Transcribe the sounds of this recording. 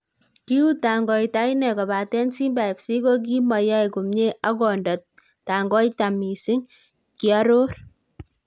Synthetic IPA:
ki˦u˦ta˨ŋɡɔ˨jta˦i˦nɛ˨kɔ˨ba˨tɛ˦nsi˦mba˨i˨psi˦ko˦k̬i˦ma˨ja˦i˨ku˨mɲe˦ʔa˦kɔ˨ndɔ˨t̚ | ta˨ŋɡɔ˦ita˨mi˨sɪ˦ŋ | kia˦ɾo˦r

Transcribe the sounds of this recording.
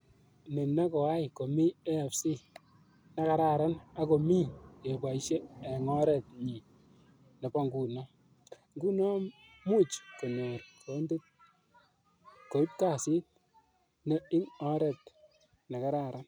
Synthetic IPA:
ne˨na˦kɔ˨a˦jko˨mi˦e˦˨psi˦ | na˨ka˦ɾa˨ɾa˦na˦ko˨mi˦ke˨ba˨i˦ʃeː˦˨ŋɔ˦ɾɛ˨t̚ɲi˨ | ne˨pa˦ŋɡu˨nɔ˦ | ŋɡu˦nɔ˦ | mu˦t͡ʃko˨ne˨ɾkʰo˨˦nde˦t̚ | ko˨i˦t̚ka˦˨si˦t̚ | ne˦ɪ˦ŋɔ˦ɾɛ˨t̚ | na˨ka˦ɾa˦˨ɾa˦n

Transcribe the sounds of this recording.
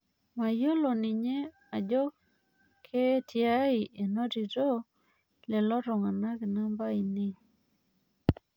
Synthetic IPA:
ma˨jo˦lo˨ni˨ɲe˦ | a˨d͡ʒɔ˦k | kʰːe˦tʰja˦i˨ʔe˨no˦ti˨to˦ | lɛ˨lɔ˦ɾɔ˨ŋa˨na˦ke˨na˦mba˦i˨nɪ˦ŋ

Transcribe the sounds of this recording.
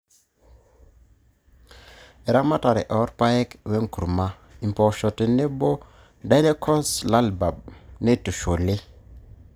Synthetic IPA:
e˨ɾa˦ma˦ta˨ɾḛ˨ʔɔ˨˦ɾpa˦je˦kwe˦ŋku˨ɾma˦ | i˨m˨po˨ʃo˨te˨ne˦bo˦ | da˦jle˦kʰɔ˦sla˦lba˨b̚ne˦˨tu˨ʃo˨le˦

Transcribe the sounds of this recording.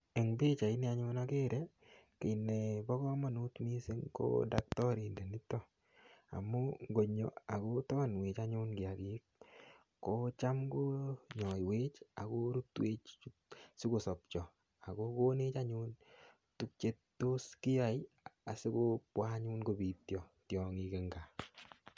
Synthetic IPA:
ɛ˨ŋbe˦t͡ʃa˨i˦ni˦aɲʊ˦nake˦ɾɛ | ke˨nːe˨bɔ˦kɔ˦ma˦˨nu˦tmi˦se˦ŋko̰˦da˦k̚tɔ˦ɾi˨nde˨ni˦tːɔ˦ | a̰˨mːɔŋɡo˨ɲɔ̰˨a˨ko˦tɔ˦nweː˨t͡ʃaɲʊ˦nɡɪ˨a˨ɡi˦k̚ː | o˦t͡ʃa˦mɡo˦ɲɔ˨jweː˦t͡ʃa˨ko˦ɾu˦twe˦t͡ʃu | sɪ˦ko˨sɔ˨p̚t͡ʃɔ˨ | a˨koko˦ne˦t͡ʃa˦ɲun | tu˦k̚t͡ʃe˦ttːo˦ski˦ja˨j | a˨sɪ˦kopwa˦ɲunɡobi˨tjɔ˨tjɔ˨ŋike˨ŋɡa˨

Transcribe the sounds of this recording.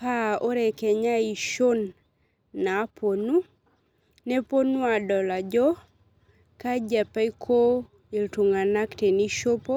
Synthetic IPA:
pa˦o˦ɾɛ˨kɛ˨ɲa˦i˨ʃo˦nː | a˨˦pʰo˨nu˦ | ne˦po˦nu˦a˨dɔ˨la˨d͡ʒɔ˦ | ka˦d͡ʒɛ˨pa˦i˦kʰo˦ | i˨ltu˨ŋa˨na˦kte˨ni˦ʃo˦po˦

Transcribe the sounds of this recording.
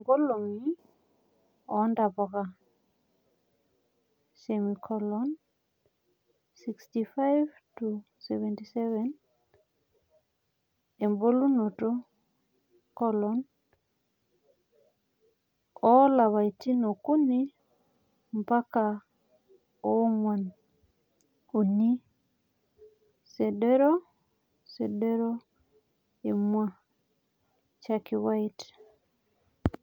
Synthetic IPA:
ŋɡo˦lo˨ŋi | ɔnda˨pɔ˨ɣa | semikʰɔlɔn | sikstifa˦jv | tu | sɛvɛntisɛvɛn | e˨mbo˦lu˦no˨to | kɔlɔn | ɔ˦la˨βa˨iti˦no˨ku˦ni˦ | mpa˦ka˨ | o˦ŋwa˨n | u˨ni˦ | se˨de˦ɾo˦ | se˨de˦ɾo˦ | e˨mwa˦ | t͡ʃa˦ki˨wa˦i˦t

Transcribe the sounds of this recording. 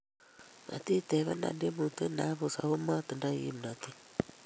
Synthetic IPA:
na̰˨t̪i˦t̪ɛ˨βa̰˦na̰˨nde˦mu˨t̪e˦na˨˦βo˨sa̰˨ho˦ma˦t̪e˨nda˦jḭ˦m˨na˨t̪i˦

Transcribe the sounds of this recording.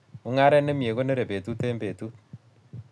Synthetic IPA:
o˦ŋa˦ɾɛ˦ne˦mje˨ko˦ne˦ɾe˨pe˨tu˦te˦mbe˨tu˦t̚

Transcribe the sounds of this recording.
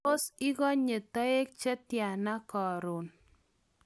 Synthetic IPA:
o˦sɪ˦ɣɔ˦ɲe˨ta˦e˦k̚t͡ʃɛ˦tja˨na˦kɔ˨ɾo˨n

